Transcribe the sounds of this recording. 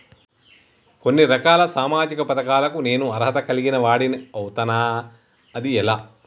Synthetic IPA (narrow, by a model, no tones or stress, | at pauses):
ko̞nːiɾɐkaːlɐsaːmaːd͡ʒikɐpɐt̪ɐkaːlɐkune̞ːnuɐɾɦɐt̪ɐkɐliɡinɐʋaːɽiniɐwt̪ɐnaː | ɐd̪iɛlaː